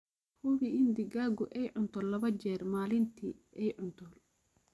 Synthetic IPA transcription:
hʊβiɪnd̪ɪɡaːɡʊʔɛjʕʊnt̪ʰɔːlɐβɐt͡ʃɛːrmaːlɪnt̪ʰiːɛjʕʊnt̪ʰɔːl

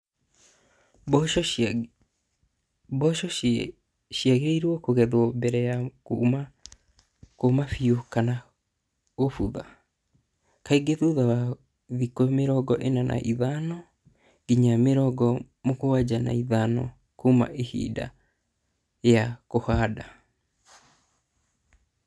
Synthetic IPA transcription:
bɔʃɔ | ʃiaɣeɾeiɾwɔkoɣɛðwɔbɛɾɛjakma | komafiokana | ɣofuða | kaiɡeðoðawa | ðikomeɾɔɡɔʔenanʔa̰ʔiðanɔ | ɡiɲameɾɔɡɔ | mokowad͡ʑana̰iðanɔ̰ | kouma̰ʔehḭːda̰ | jakohaːda

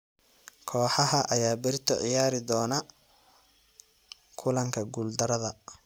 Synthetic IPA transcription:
kʰɔːħɑɦɐʔɐjaːbɪrt̪ʰɔʕɪjaːɾɪd̪ɔːnɐ | kʰʊlɐŋkʰɐɡuːld̪ɐɾɐðɐ

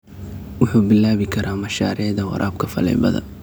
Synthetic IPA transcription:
wʊħuːbɪlːaːβɪkʰɐɾʔaːmɐʃaːɾɛːðɐwɑ̰ɾʔaːb̚kʰɐfɐlɛ̰jbɐ̰ðɐ̰n

